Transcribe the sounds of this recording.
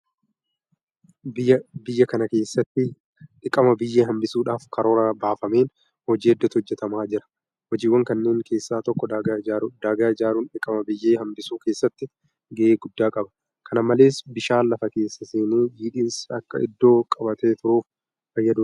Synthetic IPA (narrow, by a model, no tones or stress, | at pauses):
bɪbɪjːɐkɐnɐke̞ːsːɐt̪ːɪ | ᶑɪkʼɐmɐbɪjːeːɦɐmbɪsuːᶑaːfkʰɐɾo̞ːɾabaːfɐme̞ːn | hɔd͡ʒiːɛd̪ːɐt̪hɔd͡ʒːɛt̪ɐmaːd͡ʒɪɾɐ̥ | wɔd͡ʒiːwːɐŋkɐnːeːŋkʰe̞ːsːaːt̪ɔkːɔd̪aad̪aːɡaːɪd͡ʒaːɾuːnᶑɪkʼɐmɐbɪjːeːhɐmbɪsuːkeːsːɐt̪ːɪ | ɡɛʔeːɡʊd̪ːaːkʼɐbɐ̥ | kʰɐnɐmɐle̞ːsbɪʃaːlɐfɐke̞ːsːɐseːniːdiːᶑiːnsɐkːɐ̰ɪ̰d̪ːo̞ːkʼɐbɐt̪eːt̪ʊɾuːf | fɐjːɐd̪uː